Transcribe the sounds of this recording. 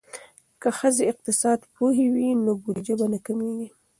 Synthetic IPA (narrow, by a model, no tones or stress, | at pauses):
kaxəzeɪq̚t̪ɪsɑd̪puɦewinobuɾd͡ʒabanakəmeɡi